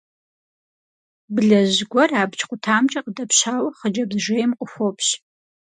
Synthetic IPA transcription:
bɨɮɐʑɡʷɔraːbt͡ʃʼqʷʼʊtʰaːmt͡ʃʼɐqədɐpɕaːwɐχəd͡ʒɐbʒʷejmqʷʼʊxʷopʰɕ

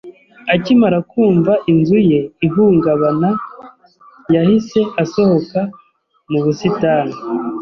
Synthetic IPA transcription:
acimaɾakuːɱvaʔinzuje̞iɦuːŋɡaβana | jahise̞ʔaso̞ho̞ka | muβusitaːna

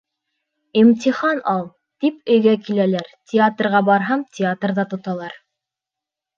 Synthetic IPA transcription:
imt̪ʲiχɑnɑlˠ | t̪ipɵ̆jɡækilælæɾtʲɪat̪rʁɑbɑɾɦɑmtʲʰɪat̪rðɑt̪ŏt̪ɑlˠɑɾ

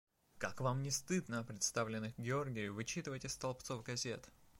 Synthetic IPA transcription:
kakvamnʲɪst̪ɨd̪nəɐpɾʲɪt̪st̪avlʲɪnːɨxɡʲɪo̞rɡʲɪjʊvɨt͡ɕit̪ɨvəjtʲɪst̪ɐlˠpt̪sovɡɐzʲet̪

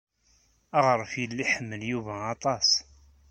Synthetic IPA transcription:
ɑʁəɾˤəfjəlːiħəmːəljuvæɑt̪ˤɑs

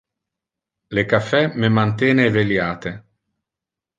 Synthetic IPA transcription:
lekafːɛmemant̪ɛːneveljaːt̪e

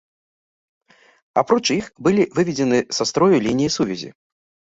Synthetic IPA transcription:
a̰pɾɔt͡ʂixbɨlʲivɨvʲɛd͡zʲɛnɨsast̪ɾɔjulʲinʲijisuvʲɛzʲḭ

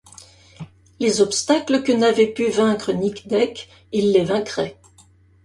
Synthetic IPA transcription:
lezɔpst̪akləkənavɛpyvɛ̃kχənikd̪ɛk | ilːevɛ̃kχɛ

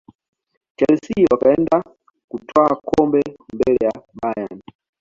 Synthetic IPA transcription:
t͡ʃalisiwakaɛnda | kutwakʰɔmbɛmbɛlɛjaɓajani

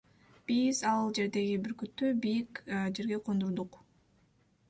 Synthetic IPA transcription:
b̥iz̥ɑlˠd͡ʒe̞ɾd̪e̞ɡibiɾkyt̪ːøbijikd͡ʒe̞ɾɡe̞qʰo̞nd̪uɾd̪uq

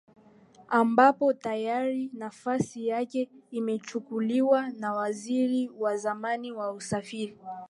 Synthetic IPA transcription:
ambapɔtajaɾinafasijakɛimɛt͡ʃukuliwanawaziɾiwazamaniwausafiɾi

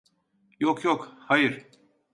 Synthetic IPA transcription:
jokʰjokhajɯɾ̥

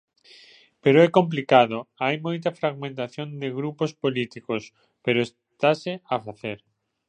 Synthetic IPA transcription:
peɾoɛkomp̬likaðoajmojt̪ɐfɾaɣmẽnt̪aθjond̪ɪɣɾupospolit̪ikos | peɾoes | t̪asɪafaθeɾ

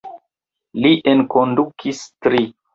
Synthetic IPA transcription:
liʔenkondukʰistɾi

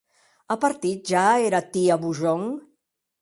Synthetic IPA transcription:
əpəɾt̪it̪̚ʒaeɾat̪iaβuʒɔŋ

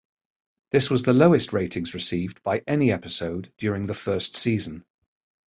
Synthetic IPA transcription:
ðɪswɒzðələʊɪstʰɹeɪtʰɪ̃ŋzɹɪsiːvb̥aɪʔɛniɛpɪsoʊdjɔːɹɪ̃ŋðəfɜˑstsiːzə̃n

